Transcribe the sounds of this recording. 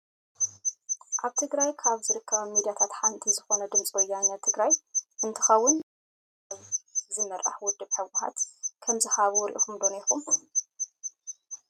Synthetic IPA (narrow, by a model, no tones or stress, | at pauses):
ʔaβt̪ʰɨɡɾajkʰaβzɨɾɨkʰːɐβɐmid̪ijat̪ʰat̪ħant̪ʰizɨxo̞nɐd̪ɨmt͡sʼwɔjːanːɐt̪ʰɨɡɾajʔɨnt̪ʰɨxɐwːʊn | aβzɨmɐɾʔa̰ħwʊd̪ːɨβħɨwʊħa̰t̪kʰɐmzɨhaβuwɾḭʔkʰumd̪onexum